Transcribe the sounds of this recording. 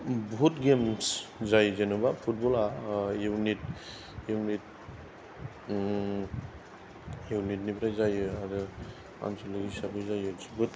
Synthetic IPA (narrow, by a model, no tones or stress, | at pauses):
bʱutɡemszajzenubapʰut̚bɔlaewnit̚ | ewnit̚ | ewnit̚nipʰɾajzajɯaɾɯ | a̰nsɔlɯisabɯjzajɯsbɯt